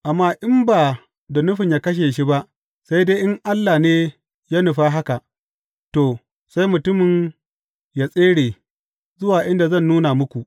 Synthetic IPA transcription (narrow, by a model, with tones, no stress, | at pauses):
ʔa˨mːaː˦ʔɪ˦mbaː˨ | da˨nʊ˦ɸɪ˨ɲjaː˦kɐ˦ʃ̬eː˨ʃi˦ba˦ʔ | sa˦jdeː˦ʔɪ˦ŋʔa˦lːaː˨neː˦ | jaː˦nʊ˨ɸaː˦ɦa˦ka˨ʔ | to˨ | sa˦jmʊ˨tʊ˦mɪ˨n | jaː˦˨sʼeː˦ɽeː˨ | zʊ˦waː˨ʔɪ˦nda˨zɐ˦˨nːuː˦na˨mʊ˦kʷu˨ʔ